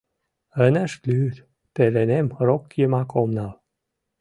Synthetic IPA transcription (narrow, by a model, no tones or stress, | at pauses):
ənə̆ʃlyt̪ | pelenemrokjəmɑkomnɑl